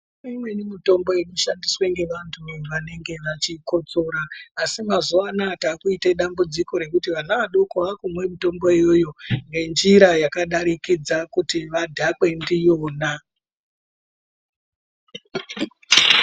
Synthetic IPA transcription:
imwe̞nimito̞mbo̞eɗuʃandiswe̞ŋɡe̞ʋantʰuʋane̞ŋɡe̞ʋat͡ʃiko̞t͡so̞ːɾaːsimazuʋanataːkuiteɗambud͡ziko̞ɾe̞kutiʋanaʋaɗo̞koakumwe̞mito̞mbo̞ejo̞jo̞ŋɡe̞nd͡ʒiɾajakaɗaɾikid͡zakutiʋadʱakwe̞ndijoːna

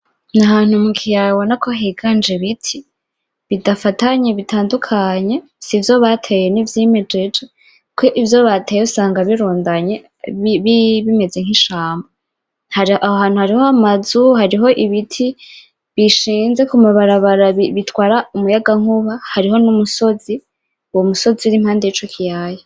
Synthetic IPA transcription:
nahaːn̥humukʰijawonakʰoɦiɡand͡ʒeβitʰi | βidafataɲeβitʰaːndukʰaɲe̞ | sivjo̞βatʰejenivjiːmed͡ʒed͡ʒe | kʰeʔivjoβatʰeːjeusaːŋɡaβiɾuːndaɲe̞ | βiβime̞ze̞ŋ̥iʃaːmba | haahoɦaːn̥huhaɾihoamazuhaɾiɦo̞ʔiβitʰi | βiʃiːnze̞kumaβaɾaβaɾaβiβitwaːɾaumujaɡaŋ̥uβahaɾiɦo̞numuso̞zi | uwomuso̞ziuɾim̥haːndeit͡ʃokʰijaje

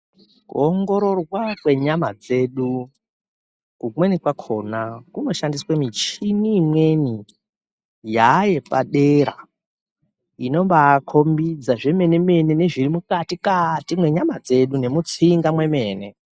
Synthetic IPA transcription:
kṵoŋɡo̞ɾo̞rwakwe̞ɲamad͡ze̞ːɗu | kumwenikwakʰo̞ːnakuno̞ʃandiswamit͡ʃiniːmweni | jaje̞pa̰ɗeɾa̰ | ino̞mbaːkʰo̞mbid͡zaʐe̞me̞ne̞me̞nene̞ʐirimukatikatimwe̞ɲamad͡ze̞ɗune̞mut͡siŋɡamwe̞me̞ːne̞

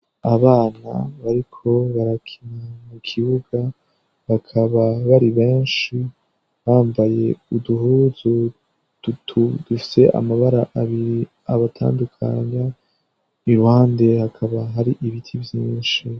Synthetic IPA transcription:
aβaːna̰βaɾikʰo̞βaɾakʰinamukʰiβuɡ̥a | βakʰaβaβaɾiβe̞ːnʃi | βaːmbaje̞uduhuːzu | d̥utʰud̥ufi̥se̞ʔa̰maβaɾaʔaβiɾi | aβatʰa̰ːndukʰa̰ɲa | iɾuhaːnde̞hakʰaβaɦaɾiʔiβitʰivjiːnʃi

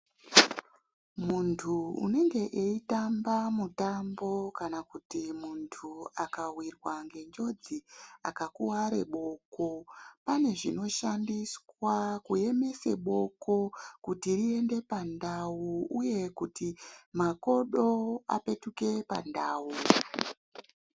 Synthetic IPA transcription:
muntʰuṵne̞ŋɡe̞ʔeitambamutambo̞kanakutimuntʰuakawirwaŋɡe̞nd͡ʒo̞d͡zia̰kakuwaɾe̞̰ɓo̞ko̞pane̞ʐino̞ʃandiswakuje̞me̞se̞̰ɓo̞ko̞kutirie̞nde̞pandawuuje̞kutimako̞ɗo̞a̰pe̞tuke̞pa̰ndaːwu

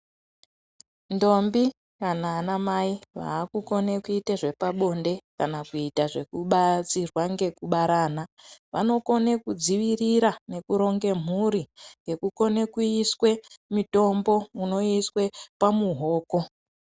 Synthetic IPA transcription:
ndo̞mbi | kanaːnamaiʋa̰ːkuko̞nekuiteʐe̞paɓo̞nde̞kanakuitaʐe̞kuɓat͡sirwaŋɡe̞kuɓaɾaːnaʋano̞ko̞nekud͡ziʋiriɾane̞kuɾo̞ŋɡe̞m̤uɾiŋɡe̞kuko̞ne̞kuiswe̞mito̞mbo̞uno̞iswe̞pamuɦo̞ːko̞

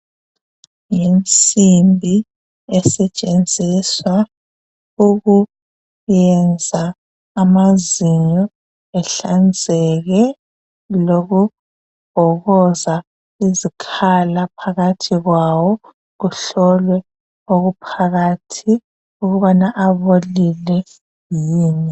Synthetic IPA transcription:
jent͡sʼimbʱi | ɛsɛt͡ʃʼend͡zʱiswa | uɣu | jɛnd͡zʱaː | maziɲɔ | ɛɬand͡zʱɛɣɛ | loɣu | b̥ʱɔɣɔza | izikʰalapʰaɣatʰiɣwawɔ | ɣuɬɔlwɛ | oɣupʰaɣatʰi | uɣuβanaʔaβolilɛ | jiːni

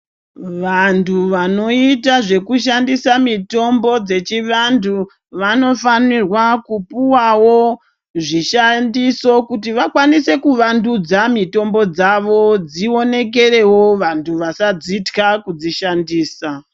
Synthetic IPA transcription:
ʋantʰuʋano̞itaʐe̞kuʃ̬andisamito̞mbo̞d͡ze̞t͡ʃiʋandʰu | ʋano̞fanirwakupuwawo | ʐiʃandiso̞kutiʋakwanise̞kuʋandud͡zamito̞mbo̞d͡zaʋo̞d͡zio̞ne̞k̬e̞re̞wo̞ʋantʰuʋasad͡zitkakud͡ziʃandiːsa

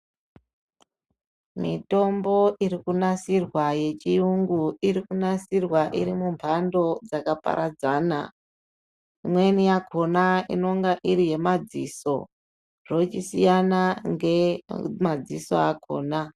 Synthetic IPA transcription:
mito̞mbo̞ʔiɾikunasirwaje̞t͡ʃijuŋɡuiɾikunasirwaʔiɾimumpʰando̞d͡zakapa̰ɾʔad͡zaːna̰ | imwe̞nijakʰo̞naḭno̞ŋɡaʔiɾije̞mad͡ziso̞̰ | r̥o̞t͡ʃisijanaŋɡemad͡ziso̞̰akʰo̞̰ːna

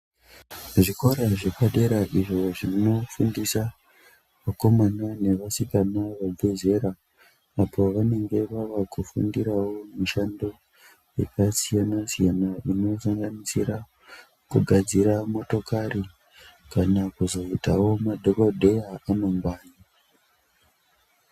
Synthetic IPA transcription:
ʐiko̞ɾaʐekaɗe̞ɾaʔiʐo̞ʐino̞fundisa | ʋako̞manane̞ʋasikanaʋabʱe̞ze̞ɾaː | pʰo̞ʋane̞ŋɡe̞ʋaʋakufṵndiɾawo̞muʃando̞ | jḛkasijanasijanaʔino̞saŋɡanisira | kuɡʱad͡ziɾamo̞to̞kari | kanakuzo̞itawo̞madʱokodʱe̞jaano̞mbaːni

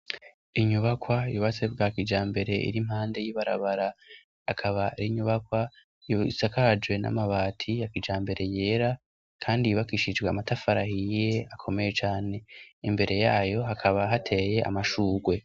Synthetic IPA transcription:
iɲuβakwajuβat͡sebɡaːkid͡ʒaːmbe̞ɾe̞ḭɾim̥haːnde̞jiβaɾaβaɾa | akʰaβaɾiɲuβakwa | jisakad͡ʒwe̞na̰maβaːtʰijakid͡ʒaːmbe̞ɾe̞je̞ːɾa | kʰaːndiiβakiʃid͡ʒɡweamatafaɾahijeakʰo̞me̞je̞t͡ʃaːne̞imbe̞ɾe̞jaːjo̞ɦakʰaβaɦatʰe̞je̞ʔa̰maʃuːɡwe̞

